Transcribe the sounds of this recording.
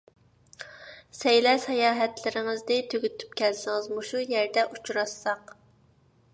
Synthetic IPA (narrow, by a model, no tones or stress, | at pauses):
sɛjlɛʃɛjɑːɦɛt̪lɪɾɪŋɪzd̪ɪt̪ʰøɡʲyt̪ʰy̥p̚kʲɛlsɪŋɪzmuʃujɛɾd̪ɛʔut͡ʃɾɑsːɑq